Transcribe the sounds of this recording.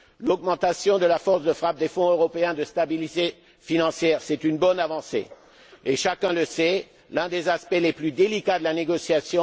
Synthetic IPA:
lɔɡmɑ̃t̪asjɔ̃d̪əlafɔʁsd̪əfχap̚d̪efɔ̃øʁɔpeɛ̃d̪əst̪abilit̪e | finɑ̃sjɛːʁsɛt̪ynbɔnavɑ̃sḛ | eʃakʲɛ̃ləsɛ | lɛ̃d̪ezaspɛleplyd̪elikad̪əlaneɡɔsjasjɔ̃

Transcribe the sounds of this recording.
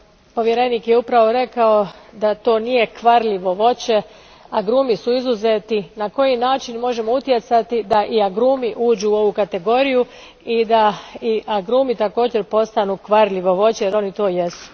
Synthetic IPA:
po̞ʋjeɾe̞niːkjeupɾaʋo̞ɾe̞kaod̪at̪o̞ːnije̞kʋaɾʎiʋo̞ʋo̞t͡ɕe̞ | aɡɾuːmisuizuzet̪inako̞jinaːt͡ʃinmo̞ʒe̞mo̞ut̪je̞t̪sat̪id̪aʔiaɡɾuːmiʔuːd͡ʑuːo̞ʋukat̪e̞ɡo̞ɾiju | id̪aiʔaɡɾuːmit̪ako̞ːd͡ʑe̞ɾpo̞st̪anukʋaɾʎʲiʋo̞ʋo̞t͡ɕejeɾo̞nit̪o̞ːje̞su̥

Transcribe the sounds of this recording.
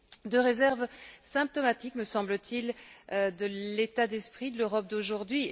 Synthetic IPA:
d̪əʁezɛʁvsɛ̃p̚t̪ɔmat̪ikməsɑ̃blət̪ʰild̪əlet̪ad̪ɛspχid̪əløʁɔp̚d̪oʒuʁd̪ɥi

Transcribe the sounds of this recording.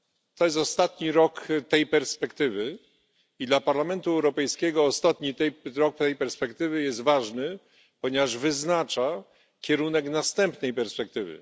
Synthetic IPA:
t̪ɔjɛst̪ɔst̪at̪ɲiɾɔkt̪ɛjpɛɾspɛkt̪ɘvɘ | id̪lapaɾlamɛnt̪uɛwɾɔpɛjskʲɛɡɔːst̪at̪ɲit̪ɛjɾɔk̚t̪ɛjpɛɾspɛkt̪ɘvɘjɛst̪vaʐnɘ | pɔɲɛvaʐvɘznat͡ʂa | kʲɛɾunɛknast̪ɛmpnɛjpɛɾspɛk̚t̪ɘvɘ̰

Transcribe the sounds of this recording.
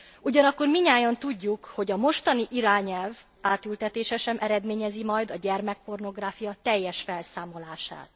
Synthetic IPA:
uɟɒnɒkːo̞rmiɲaːjɒnt̪uɟːukho̞ɟɒmo̞ʃt̪ɒniʔiɾaːɲɛlv | aːt̪ylt̪ɛt̪eːʃɛʃɛmʔɛɾɛd̪meːɲɛzimɒjd̪ɒɟɛrmɛk̚po̞rno̞ɡraːfijɒt̪ɛjːɛʃfɛlsaːmo̞laːʃa̰ːt̪

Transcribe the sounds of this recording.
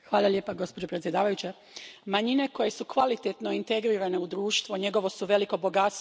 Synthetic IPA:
xʋaːlˠaʎʲjepaɡo̞spod͡ʑo̞pɾet̪sje̞d̪aːʋajut͡ɕe | maɲine̞ko̞je̞sukʋalit̪et̪no̞int̪e̞ɡɾiɾane̞ud̪ɾuːʃt̪ʋuɲe̞ɡo̞ʋo̞suʋe̞liko̞bo̞ɡat̪s

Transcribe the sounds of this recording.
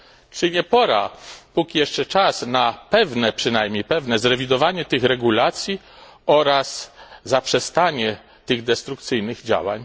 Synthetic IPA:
t͡ʂɘɲɛpɔɾa̰pukʲijɛʂt͡ʂɛt͡ʂasnapɛvnɛpʂɘnajmɲejpɛvnɛzɾɛvʲid̪ɔvaɲɛt̪ɘxɾɛɡulat̪sʲji | ɔɾaszapʂɛst̪aɲɛ | t̪ɘɣd̪ɛst̪ɾuk̚t̪sɘjnɘɣd͡ʑa̰wa̰ɲ

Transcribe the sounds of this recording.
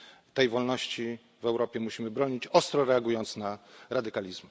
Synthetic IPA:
t̪ɛjvɔlnɔɕt͡ɕi | vɛwɾɔpʲjɛmuɕimɘbɾɔɲit͡ɕɔst̪ɾɔɾɛaɡujɔnt̪snaɾad̪ɘkalʲizm

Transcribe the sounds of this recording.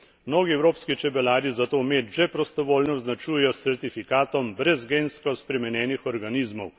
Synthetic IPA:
mnoːɡiɛwɾoːpskit͡ʃɛbɛlaːɾizat̪oːmeːt̪ʒɛpɾɔst̪ɔʋoːlnɔːznat͡ʃuːjɛjɔsɛɾt̪ifikaːt̪ɔmbɾɛzɡenskɔspɾɛmɛnjɛːnixɔɾɡanizmɔw

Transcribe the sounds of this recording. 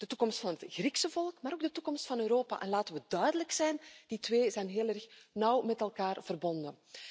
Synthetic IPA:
d̥ətukɔmstfɑnɦətɣriksəvɔlˠkmaːɾoːɡdətukɔmstfɑnøːɾoːpa̰ʔɛ̰nlaːtənʋədœɥdələksɛjnd̥itʋeːzɛjnɦeːlˠɛrxnʌwmɛtɛlˠkaːrv̥ərbɔndən

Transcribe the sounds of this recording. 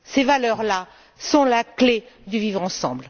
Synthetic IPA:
sevalœʁla | sɔ̃lakled̪əvivʁɑ̃sɑ̃bl

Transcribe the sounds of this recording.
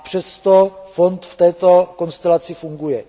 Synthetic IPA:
pr̝̥ɛst̪ofont̪ft̪ɛːt̪o̞ko̞nst̪ɛlat͡sɪfuŋɡujɛ

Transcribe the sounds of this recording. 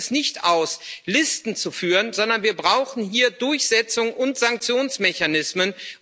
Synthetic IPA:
snɪçtaʊslɪstn̩t͡sufyːʁənzɔndɐnviːɐbʁaʊxn̩hiːɐdʊɐçz̥ɛt͡sʊŋʔʊntz̥aŋk̚t͡sjoːnsmɛçanɪsmən

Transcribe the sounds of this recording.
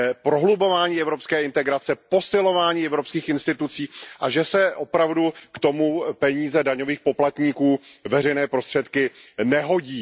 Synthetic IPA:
pɾo̞ɦlubo̞vaːɲiːɛvɾo̞pskɛːɪnt̪ɛɡɾat͡sɛpo̞sɪlo̞vaːɲiːɛvɾo̞pskiːxɪnst̪ɪt̪ut͡siːʔaʒɛsɛʔopɾavdukt̪o̞mupɛɲiːzɛdaɲo̞viːxpo̞plat̪ɲiːkuːvɛrɛjnɛːpɾo̞st̪r̝̥ɛt̪kɪnɛɦo̞ɟiː

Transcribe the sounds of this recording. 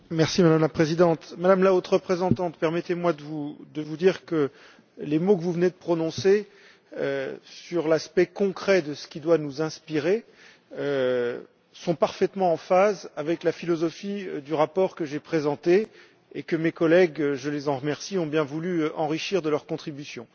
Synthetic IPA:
mɛʁsimad̪amlapχezid̪ɑ̃t̪mad̪amlaot̪ʁəpχezɑ̃t̪ɑ̃t̪pɛʁmɛt̪emwad̪əvud̪əvud̪iʁkə | lemokəvuvəned̪əpχɔnɔ̃se | ø̰syʁlaspɛkɔ̃kχɛd̪əsə̥kʲid̪wanuzɛ̃spiʁe | sɔ̃paʁfɛt̪mɑ̃ɑ̃fazavɛklafilɔzɔfid̪yʁapɔʁkəʒepχezɑ̃t̪e | ekəmekɔlɛɡʒəlezɑ̃ʁəmɛʁsiɔ̃bjɛ̃vulyʔɑ̃ʁiʃiʁd̪əlœʁkɔ̃t̪χibysjɔ̰̃

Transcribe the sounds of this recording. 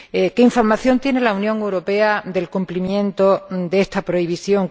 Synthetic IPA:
eke̞iɱfo̞ɾmaθjo̞nt̪jene̞launjõŋe̞wɾo̞pe̞ad̪e̞lkumplimjẽ̞nt̪od̪eest̪apɾo̞iβ̞iθjo̞ŋ

